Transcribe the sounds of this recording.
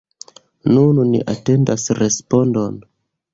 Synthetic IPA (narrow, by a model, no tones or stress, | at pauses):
nunnḭʔate̞ndasɾespo̞ndo̞n